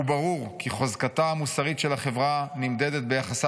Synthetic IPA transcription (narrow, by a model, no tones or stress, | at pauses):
ubaʁuʁkiχozkat̪aamusaʁitʃelaχe̞vʁanimd̪ed̪e̞t̪̚be̞jaχasa